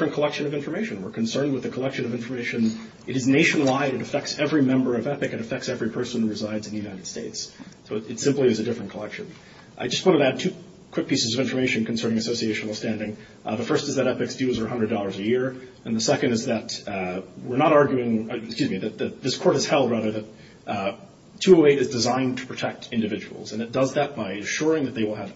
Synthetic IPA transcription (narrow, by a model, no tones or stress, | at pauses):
ɹɨ̃nkʰəlɛkʃɨ̃nʌvɪ̃ɱfə˞meɪʃɨ̃nwəɹkʰɨ̃n̩sɜ̃˞nd̚wəðɨkʰəlɛkʃɨ̃nʌvɪ̃ɱfə˞meɪʃɨ̃n | ʔɨɾɨzneɪʃɨnl̩ˠaɪɾɨɾɨfɛk̚tsɛvɹimɛ̃mbə˞ʌvɛpɨkɨ̃ɾɨfɛk̚tsɛvɹipʰɜ˞sə̃n̩huɹɨzaɪdzn̩ðɨjʉnaɪɾɨd̥steɪtssoʊɨtsɪ̃mpliɨzɨdɪfɹɨ̃n̩kʰəlɛkʃɨ̃n | ʔa̰ɪd͡ʒʌst̚wɑ̃ɾ̃əɾɨɨd̚tʰʉ | kʰw̥ɪk̚pʰisɨzʌvɪ̃ɱfə˞meɪʃɨ̃n̩kʰn̩sɜ̃˞nɪ̃ŋɨsoʊsieɪʃn̩l̩ˠstæ̃ndɪ̃ŋ | ðɨfɜ˞stɨzðɨɾɛpɨksd̥ʉzə˞ɦʌ̃ndɹɨdɔlˠə˞zɨjɪɹ | ɨ̃nðəsɛkɨ̃ndɨzðɨt̚ | wɪɹnəɾɑɹɡjʉɪ̃ŋskjʉzmiðɨt̪̚ðɨðɪskʰɔɹɾ̚hɨz̥hɛlˠd̚ɹæðə˞ðɨt̚ | tʰʉoʊeɪɾɨzdɨzãɪ̃ntʰə̥pʰɹ̥ɨtʰɛk̚tʰɪ̃ndɨvɪd͡ʒɨwl̩ˠzɨ̃nɨt̚d̥ʌzðɨt̚b̥aɪɨʃʊɹɪ̃ŋðɨt̪̚ðeɪwəlˠɨv̥